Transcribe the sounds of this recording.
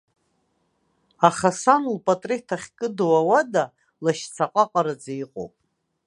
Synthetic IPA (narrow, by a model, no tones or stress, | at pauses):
aχasanlpʼatʼritʰaχʲkʼɨdwawada | laʃt͡sʰaqʼaqʼaɾad͡zejqʼo̰wpʼ